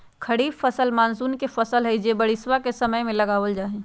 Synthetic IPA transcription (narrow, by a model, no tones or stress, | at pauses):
kʰəɽiːbfəsəlmaːnzuːnkefəsəlɦɛɪd͡ʒebəɽɪswakesəməjmẽlɐɡaːʋəld͡ʒaːɦẽ